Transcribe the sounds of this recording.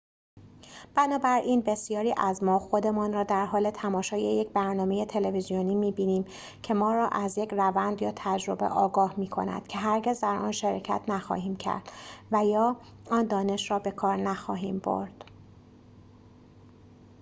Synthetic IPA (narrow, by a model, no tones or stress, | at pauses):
b̥ænɒːbæɾʔiːnbe̞sjɒːɾiːʔæzmɒːxo̞d̪e̞mɒːnrɒːd̪æɾɦɒːle̞t̪ʰæmɒːʃɒːjejecʰbæɾnɒːme̞je̞t̪ʰe̞le̞vezijoniːmiːbiːniːm | cʰe̞mɒːɾɒːʔæzjecʰrævænd̪jɒːt̪ʰæd͡ʒɾo̞be̞̰ʔɒːɡɒːhmiːkʰo̞̰næ̰d̪̥cʰe̞ɦæɾɟe̞zd̪æɾʔɒ̰ːnʃeɾɒːcʰæ̰t̪ʰnæxɒ̰ɦiːmcʰæ̰ɾd̪̥væjɒː | ɒːnd̪ɒːne̞ʃɾɒːbe̞kʰɒːɾnæxɒːɦiːmbo̞̰ɾd̪̥